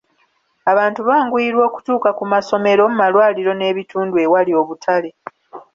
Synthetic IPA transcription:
aβaːntuβaːŋɡwiɾwo̞ːku̥tuːkakumaso̞me̞ɾo̞mumalwaːliɾo̞ne̞ːβituːndue̞walio̞βutʰale̞

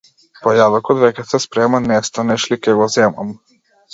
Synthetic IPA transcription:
pɔjadɔkɔt̪vɛkɛsɛspɾɛmanːɛst̪anɛʃlikɛɡɔzɛma̰m

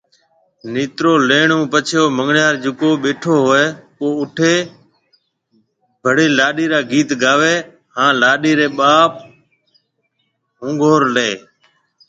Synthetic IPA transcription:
niːt̪ɾoːleːɳũːpət͡ʃʰjoːməŋɡɳjaːɾd͡ʒʊkoːɓeːʈʰoːɦoːeːpoːʊʈʰeː | bʱəɽeːlaːɗiːɾaːɡiːt̪ɡaːʋeː | hãːlaːɗiːɾeːɓaːp̚ | ɦʊ̃ːŋɡʱoːɾleː

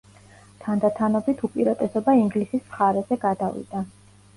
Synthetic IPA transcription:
t̪ʰand̪at̪ʰanɔbit̪ʰupʼiɾad̪ʼɛsɔbaiŋɡlisisχaɾɛzɛɡad̪avḭd̪̥a

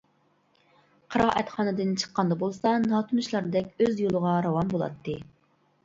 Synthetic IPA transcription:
qʰəɾɑːʔɛt̪χɑːnɨd̪ɨnt͡ʃʰə̥qːɑnd̪ɑbolˠsɑnɑt̪ʰɨmɨʃlˠɑɾd̪ɛkʲøzjolˠəʁɑɾɑwɑnbolˠɑ̰t̪ʰːɨ

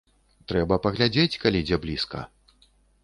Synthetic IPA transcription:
t̪ɾɛbɐpɐɣlʲad͡zʲet͡sʲkalʲid͡zʲɛblʲiskɐ̰

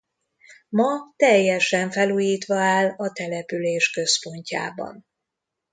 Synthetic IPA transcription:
mɒt̪ɛjːɛʃɛɱfɛluːjiːt̪ʋɒaːlɒt̪ɛlɛpyleːʃkø̞spo̞ɲca̰ːbɒ̰n

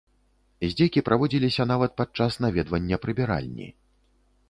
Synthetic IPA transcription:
zʲd͡zʲejkʲipɾʔavɔd͡zʲilʲisʲɐnavɐt̪̚pat̪̚t͡ʂasnavʲɛd̪vɐnʲːɐpɾɨbʲɛɾa̰lʲnʲḭ

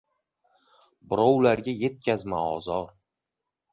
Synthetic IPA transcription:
bɪɾɒwlaɾɡʲaje̞t̪̚kʲʰazmaɒzɒɾ

